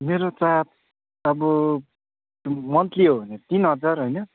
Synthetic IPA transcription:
meɾot͡sat̪ | ʌbʌ | mʌnt̪liɦobʱʌneʌt̪inɦʌd͡zarɦojnʌ

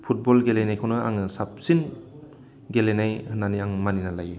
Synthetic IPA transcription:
pʰut̚bɔlɡelenajkʰawnɯa̰ŋɯsap̚sin | ɡelenajhɯnaniaŋmaninalaje

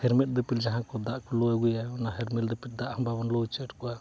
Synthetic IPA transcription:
hɛɾmɛt̪̚d̪əpild͡ʒaɦaŋkɔd̪aʔkɔlɔɛɡujaɔnaɦɛɾmɛld̪əpit̪̚ˀd̪aʔhɔmbabɔnlɔt͡ʃəʈkɔa

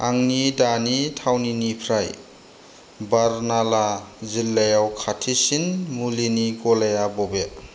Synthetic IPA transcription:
aŋnidanitʰawninipʰɾaj | baɾnalazilːajawkʰatʰisinmuliniɡɔlajabɔbe

